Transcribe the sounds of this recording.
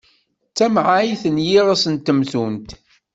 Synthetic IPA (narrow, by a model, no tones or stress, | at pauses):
t͡sːæmʕajθənjiʁasənt̪ːəmθunt̪